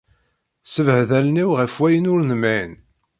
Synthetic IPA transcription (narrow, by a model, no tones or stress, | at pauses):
səvhðælniwʁəfwæjənʊɾnəmæn